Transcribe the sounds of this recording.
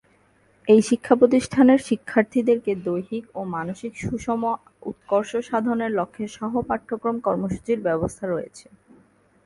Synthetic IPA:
ejʃikʰːapɾot̪iʃʈʰaneɾʃikʰːaɾt̪ʰid̪eɾked̪ojɦikomanoʃikʃuʃɔmo | ṵt̪̚koɾʃoʃad̪ʱoneɾlokʰːeʃɔɦopaʈ̪ʰːokɾomkɔɾmoʃu̥t͡ɕiɾbɛbost̪ʰaɾojḛt͡ɕʰe̥

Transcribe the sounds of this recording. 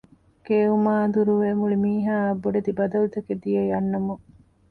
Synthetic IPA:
keːumaːɐnd̪uɾuʋeːmuɭimiːɦaːɐbːoɖed̪ibɐd̪ɐlut̪ɐked̪ijejɐnːɐmu

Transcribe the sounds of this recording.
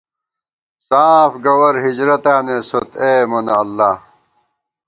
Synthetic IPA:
saːfɡɐwɐɾɦid͡ʑɾɐt̪aːnesot̪eːmonːlːaː

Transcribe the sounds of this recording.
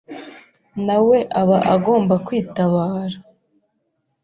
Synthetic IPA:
nawe̞ʔaβaʔaɡo̞ːmbakwiːtaβaːɾa

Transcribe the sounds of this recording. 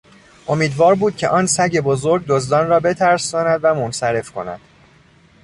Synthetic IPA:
ʔo̞miːd̪vɒːɾbuːd̪̚cʲʰe̞̰ʔɒːnsæɟe̞bo̞zoɾɡ̚d̪ozd̪ɒːnrɒːbe̞t̪ʰæɾsɒːnæd̪væmonsæɾe̞fkʰo̞̰næ̰d̪̥

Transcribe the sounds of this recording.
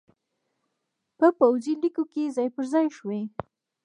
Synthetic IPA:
pəpawzilikokezɑjpəɾzɑjʃwe

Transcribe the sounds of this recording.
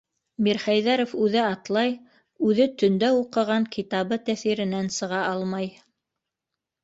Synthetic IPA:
miɾχæjðæɾofʉðɘɑt̪lˠɑj | ʉðɘt̪ɵ̆nd̪æuqɤ̆ʁɑŋkʰit̪ɑβɤt̪æθiɾɘ̆nænsɤ̆ʁɑʔɑlˠmɑj

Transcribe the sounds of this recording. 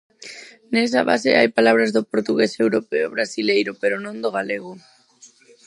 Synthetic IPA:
nes̬a̰βa̰sḛa̰jpalaβ̞ɾazðopoɾt̪uɣesewɾopeoβɾasilejɾopeɾonõnd̪oɣ̞aleɣʊ

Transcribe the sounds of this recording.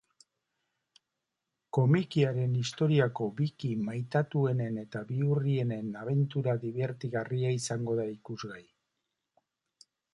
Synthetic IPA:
ko̞mikiaɾe̞nist̪o̞ɾiako̞βikimajt̪at̪ue̞ne̞ne̞t̪aβiurie̞ne̞naβe̞nt̪uɾaðiβe̞ɾt̪iɣariaisaŋɡo̞ðaikuzɣaj

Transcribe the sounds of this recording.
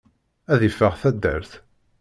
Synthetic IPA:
æðifːəʁθæd̪ːæ̰ɾθ

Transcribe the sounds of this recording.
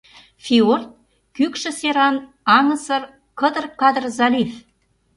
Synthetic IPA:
fʲiort̪̚ | kykʃə̆seɾɑn | ɑŋə̆sə̆r | kə̆d̪ə̆rkɑd̪ərzɑlʲif

